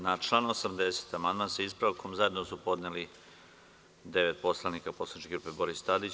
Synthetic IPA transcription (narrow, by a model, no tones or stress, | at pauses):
nat͡ʃlˠanuosamd̪e̞se̥t̪amand̪mansaispɾaʋkʰomzae̞d̪nosupo̞d̪neli | d̪e̞ʋet̪̚po̞slˠanikaposlanit͡ʃkeɡɾuːpe̞bo̞ɾist̪ad̪it͡ɕ